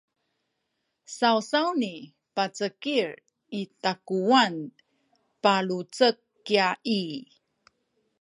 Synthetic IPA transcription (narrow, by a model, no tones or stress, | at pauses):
sawsawni | pat͡səkiɾ | itakuan | paɭut͡səkːiai